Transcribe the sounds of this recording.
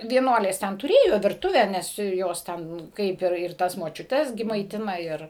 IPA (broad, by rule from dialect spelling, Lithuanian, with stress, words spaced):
ʋʲiɛˈnuɔlʲeːs ˈtʲɛn tʊˈrʲeːjoː ʋʲɪrˈtʊʋʲæː ˈnʲɛs ˈjoːs ˈtʲɛn ˈkɐɪp ɪr ˈtɐs moːt͡ʃʲʊˈtʲɛs ˈɡʲɪ mɐɪˈtʲɪnɐ ˈɪr